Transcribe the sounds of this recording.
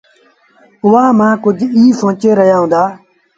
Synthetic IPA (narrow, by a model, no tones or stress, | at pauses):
ʊʋaːmãːkʊd͡ʒʱiːsõːt͡ʃeːɾəɦjaːɦʊ̃ːnd̪aː